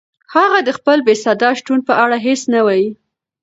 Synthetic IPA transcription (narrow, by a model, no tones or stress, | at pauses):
haɣad̪əxpəlbesɑd̪ɑʃʈunpəʔaɽaɦesnawɑji